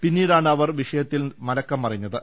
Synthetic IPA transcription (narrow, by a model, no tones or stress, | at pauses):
pinːiːɽaːɳɨɐʋɐrʋiʂɐjɐt̪ːilmɐlɐkːɐmpɐrɐɲːɐðɨ